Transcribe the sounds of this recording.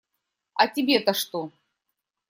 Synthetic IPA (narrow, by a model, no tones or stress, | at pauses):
ɐtʲɪbʲet̪ɐʂt̪o